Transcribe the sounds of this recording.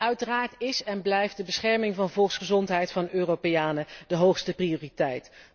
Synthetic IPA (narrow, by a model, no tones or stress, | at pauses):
œɥtəraːɹtɪsɛnblɛjft̚dəbəsχɛɹmɪŋvɑnvɔlˠksχəzɔntɦɛjtfɑnøːropejaːnədəɦowχstəprioːritɛjt